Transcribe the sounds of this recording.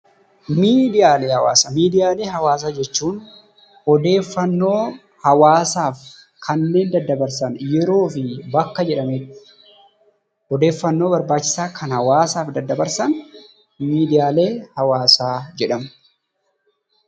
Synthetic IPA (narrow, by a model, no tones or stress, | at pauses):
miːd̪ɪjaːle̞ːhɐwa̰ːsɐmiːd̪ɪjaːle̞ːɦɐwaːs̬aːd͡ʒɛt͡ʃːuːn | ɔd̪e̞ːfːɐnːo̞ː | hɐwaːsaːf | kʰɐnːe̞ːnd̪ɐd̪ːɐbɐɾsɐnjɛɾo̞ːfɪbɐkːɐd͡ʒɛᶑɐmeːt̪ːɪ̥ | ɔd̪e̞ːfːɐnːo̞ːbɐɾbaːt͡ʃːɪ̥saːkʰɐnhɐwaːsaːfd̪ɐd̪ːɐbɐɾsɐn | miːd̪ɪjaːle̞ːhɐwaːsaːd͡ʒɛᶑɐm